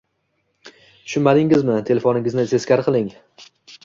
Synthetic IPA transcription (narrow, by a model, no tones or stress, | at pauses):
t̪ʰʊ̥ʃʊnmad̪ɪŋɪzmɪt̪ʰe̞le̞fonɪŋʲɪznɪse̞skʲaɾqʰɨlˠɪŋ